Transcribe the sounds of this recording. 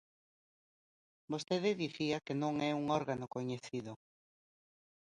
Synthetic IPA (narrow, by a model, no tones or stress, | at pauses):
bost̪eðɪðiθiakenõŋɛuŋɔɾɣanokoɲeθiðʊ